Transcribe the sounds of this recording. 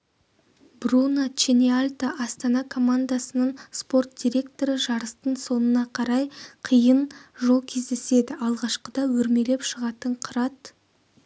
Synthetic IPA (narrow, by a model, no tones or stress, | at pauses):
brunat͡ʃenialʲt̪aʔɑst̪ɑnɑkʰo̞mand̪asənəɴspo̞rt̪̚d̪̥ʲijɾʲe̞kt̪oɾəʒɑɾəst̪əɴso̞nənɑqʰɑɾɑjqʰəjənʒo̞lˠkʲʰe̞zd̪e̞se̞d̪ɪʔɑlˠʁɑʃqəd̪ɑwɵɾme̞le̞pʃəʁɑt̪əɴqʰəɾɑt̪